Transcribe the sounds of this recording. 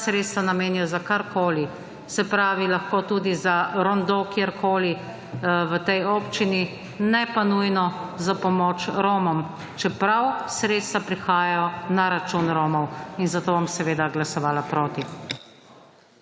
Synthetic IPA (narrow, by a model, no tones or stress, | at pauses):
sɾet̪st̪ʋanameːnijɔzakaɾkoːli | sɛpɾaːʋilaxkoːt̪uːd̪izaɾɔnd̪okeɾkoːli | ʋət̪ɛjoːpt͡ʃini | nɛpanujnɔzapɔmoːt͡ʃɾoːmɔm | t͡ʃɛpɾawsɾeːt̪st̪ʋapɾixaːjajɔnaɾat͡ʃunɾoːmɔwinzat̪oːbɔmsɛʋeːd̪aɡlasɔʋaːlapɾoːt̪i